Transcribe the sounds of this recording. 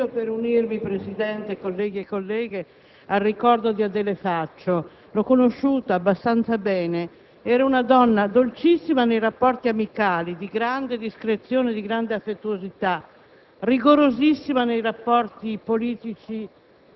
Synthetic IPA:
opeɾunirmipɾesid̪ɛnt̪ekolːɛːɡiekːolːɛːɡe | arːikɔrd̪od̪iad̪elefat͡ʃːo | lɔkːonoʃːuːt̪aabːast̪ant̪sabɛːne | ɛːɾaunad̪ɔnːad̪olt͡ʃisːimanejrapːɔrt̪iamikaːlid̪iɡɾand̪ed̪iskɾet̪sjoːned̪iɡɾand̪eafːet̪ːuozit̪a | riɡoɾozisːimanejrapːɔrt̪ipoliːt̪it͡ʃi

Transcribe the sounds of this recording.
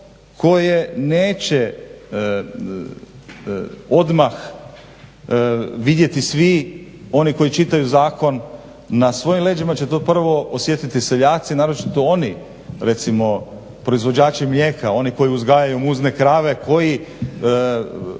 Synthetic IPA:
kʰo̞jene̞ːt͡ɕe | o̞d̪max | ʋid̪je̞t̪isʋi | o̞niko̞jit͡ʃit̪ajuzaːko̞nː | asʋo̞jimlˠe̞ːd͡ʒimat͡ɕet̪opr̩ʋo̞osʋjet̪it̪iseʎaːt̪sinaːɾo̞t͡ʃit̪o̞oni | ɾe̞t̪simo̞ | pɾo̞izʋo̞d͡ʑaːt͡ʃimlʎje̞ːkao̞niko̞jiuzɡajajumuzne̞kɾaːʋe̞kʰo̞ji

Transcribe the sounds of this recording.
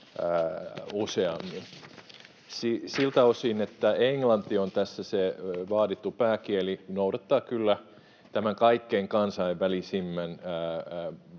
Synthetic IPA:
useɑmːin | sisilt̪ɑosiːnet̪ːæeŋlɑnt̪ːiont̪æsːæseʋɑːtit̪ːupæːkielinoudɑt̪ːɑːkylːæ | t̪æmæŋkɑikːeŋkɑnsɑiʋʋælisimːænː

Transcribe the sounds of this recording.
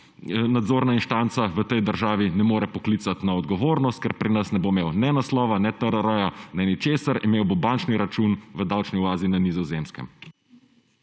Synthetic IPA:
nad̪zoːɾnainʃt̪ant̪saʋət̪ɛjd̪əɾʒaːʋinɛmoːɾɛpɔklit̪sat̪naɔd̪ɡɔʋoːɾnɔst̪̚kɛɾpɾinəsnɛbomeːwnɛnaslɔːʋanɛt̪əɾɐɾəjanɛnit͡ʃeːsaɾimeːwbobant͡ʃniɾat͡ʃunʋəd̪aːwt͡ʃniuaːzinanizɔzeːmskɛ̰m

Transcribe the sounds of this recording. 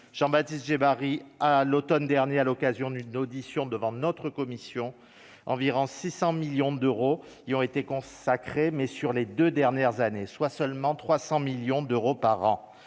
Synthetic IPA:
ʒ̥ɑ̃bat̪ist̪ʒebaʁialot̪ɔnd̪ɛʁnjealɔkazjɔ̃d̪ynod̪isjɔ̃d̪əvɑ̃nɔt̪χəkɔmisjɔ̃ | ɑ̃viʁɔ̃sisɑ̃miljɔ̃d̪øʁo | iɔ̃et̪ekɔ̃sakχemɛsyʁled̪ød̪ɛʁnjɛʁzaneswasœlmɑ̃t̪χwasɑ̃miljɔ̃d̪øʁopaʁɑ̰̃

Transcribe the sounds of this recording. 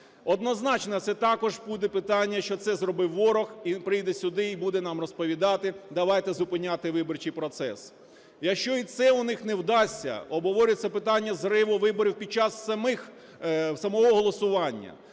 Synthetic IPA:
ɔd̪nɔznɑt͡ʃnɐt̪sɛt̪ɑkɔʒbud̪ɛpɪt̪ɑnʲːɐʃt͡ʃɔt̪sɛzrɔbɪwːɔɾɔxipɾɪjd̪ɛsʲʊd̪ɪibud̪ɛnɑmrɔspɔʋʲid̪ɑt̪ɪd̪ɐʋɑjt̪ɛzʊpɪnʲat̪ɪʋɪbɔrt͡ʃijpɾɔt̪sɛ̰s | jɐkʃt͡ʃɔit̪sɛʊnɪxnewd̪ɑsʲːɐ̰ɔbɦɔʋɔɾʲʊt͡sʲɐpɪt̪ɑnʲːɐzrɪʋʊʋɪbɔɾʲiwpʲid̪̚t͡ʃɑsːɐmɪx | sɐmɔɦɔɦɔlˠɔsʊʋɑnʲːɐ̰

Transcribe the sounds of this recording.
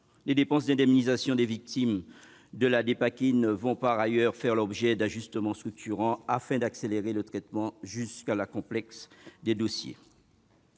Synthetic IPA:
led̪epɑ̃s̬d̪ɛ̃d̪ɛmnizasjɔ̃d̪evik̚t̪im | d̪əlad̪epakʲinvɔ̃paʁajœʁfɛʁlɔbʒɛd̪aʒyst̪əmɑ̃st̪χyk̚t̪yʁɑ̃afɛ̃d̪akseleʁelət̪χɛt̪mɑ̃ʒyskalakɔ̃plɛksd̪ed̪osjḛ

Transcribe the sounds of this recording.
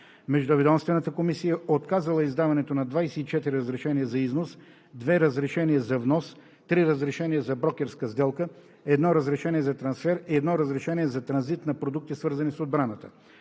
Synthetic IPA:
mɛʒd̪ʊɐvɛd̪ɔmst̪vɛnət̪əkomisijəot̪kazɐlˠəizd̪avɐnɛt̪onɐd̪vajsɛit͡ʃɛt̪iɾiɾəzɾɛʃɛnijəzɐiznos | d̪vɛɾəzɾɛʃɛniəzɐvnɔs | t̪ɾiɾəzɾɛʃɛnijəzɐbɾɔkʲɛɾskəzd̪ɛlˠkə | ɛd̪nɔɾəzɾɛʃɛniɛzɐt̪ɾɐnsfɛɾiɛd̪nɔɾəzɾɛʃɛniɛzɐt̪ɾɐnzit̪nɐpɾod̪uk̚t̪isvɤɾzɐnisod̪̚bɾanət̪ə

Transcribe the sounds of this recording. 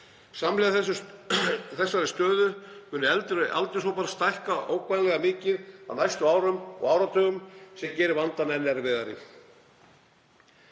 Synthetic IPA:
samlɪðasʏ | θɛsːaɾɛst̪œːðʏkʏnːʏɛlt̪ɪɾʏʔa̰lt̪ɪs̬owpaɾast̪ajhkaʔoːwkʰvajnlɛɣamɪːcɪða̰ðnajst̪ʏaːwɾʏmɔ̰ɣawɾat̪ʰœːɣʏmsɛmcɛːɾɪvant̪anɛnːɛɾvɛðaɾɪ̰

